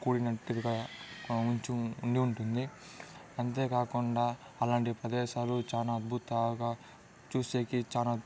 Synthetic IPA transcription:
kuːɽinɐʈːiɾɡamuɲt͡ʃuːɳɖiuɳʈund̪i | ɐnt̪e̞ːkaːkuɳɖaː | ɐlaːɳʈipɾɐd̪ɛːʃaːlut͡ʃaːnaːɐd̪̚bʱut̪ɐɡaː | t͡ʃuːseːkit͡ʃaːnaː

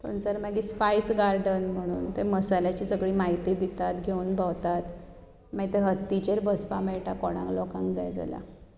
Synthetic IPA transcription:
t̪ʰo̰nt͡səɾmaɡispajsɡaɾɖənm̤əɽ̃uːnt̪eməsalat͡ɕiːsəɡɭiːmaɦit̪id̪it̪at̪ɡʱeunbʱawt̪at̪ | maɡit̪eɦət̪ːit͡ɕeɾbəspameɭʈakɔɽ̃ã̰ŋklɔkãŋkd͡zajd͡za̰la̰

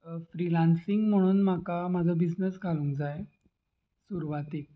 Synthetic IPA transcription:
fɾilansiŋɡm̤əɽ̃uːnmakamad͡zʱəbid͡znəsɡʱalũŋkd͡zaj | suɾʋat̪ik̚

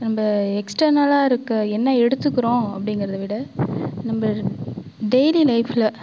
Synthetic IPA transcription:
nɐmbɐɛksʈɐɾnɐlaːɪɾɯkːɐɛnːɐɛɽɯt̪ːɯkːɯɾõːɐpːɐɽɪŋɡɪɾɐðɐʋɪɽɐnɐmbɐ | ɖejlilɐɪfɪlɐ

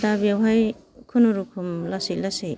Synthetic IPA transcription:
tabiawɦaj | kʰunuɾukʰumlasik̚lasi

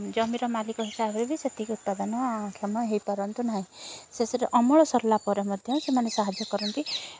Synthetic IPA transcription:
d͡ʒɔmiɾɔmalikɔɦisabʱɔɾebʱiset̪ikut̪̚pad̪ɔnɔakʰjɔmɔɦejpɔɾɔnt̪unaɦĩsesɔɾeʔɔmɔɭɔsɔɾlapɔɾemɔd̪ʱjɔsemanesaɦad͡ʒjɔkɔɾɔnt̪i

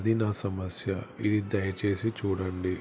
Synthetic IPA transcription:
d̪inɐsɐmɐsjɐid̪id̪ɐjɐt͡ʃe̞ːsit͡ʃuːɽɐɳɖi

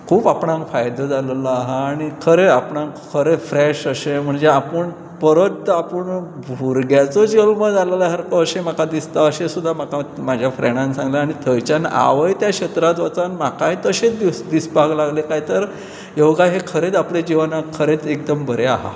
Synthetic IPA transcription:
kʰuːpapɳãŋkfajd̪əd͡zallaaɦaːɽ̃ikʰəɾeapɳãŋkkʰəɾefɾɛɕəɕem̤əɳd͡zeapəɳ | pəɾot̪ːapəɳbʱuɾɡjat͡sɔd͡ʑelməd͡zaləlaɦaɾkɔːɕem̤akad̪ist̪aəɕesud̪ʱːamakamad͡ʑʱjafɾɛɳ̃ãnsãŋɡlaaɽ̃it̪ʰəjt͡ɕana̰ʋəjt̪jaɕət̪ɾat̪ʋət͡sanmakaɦet̪əɕet͡sd̪isd̪isbʱaɡlaɡlekaɦjt̪əɾ | jewɡaɦekʰəɾet͡s̪apled͡ʑiʋanakʰəɾet͡sek̚d̪əmbəɾeaɦa̰

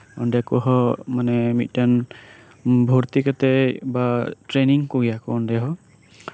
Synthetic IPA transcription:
ɔndɛkɔɦɔmanɛmit̪̚ˀtan | bʱɔɾt̪ikat̪ɛbatɾeniŋkɔɡijakɔːndɛɦɔ

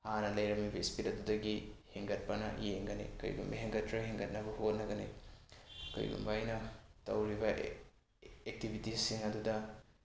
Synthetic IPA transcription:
hanɐlɐjɾɐmibɐispitɐdudɐɡiheŋɡɐt̚pɐnɐ̰jeŋɡɐnḭkɐɾḭɡṵmbɐjɦeŋɡɐtɾɐɦeŋɡɐt̚nɐbɐhot̚nɐɡɐnḭ | kɐ̰ɾḭɡṵmbajnɐtɐwɾibɐ | ek̚tibʱitisiŋɐdudɐ

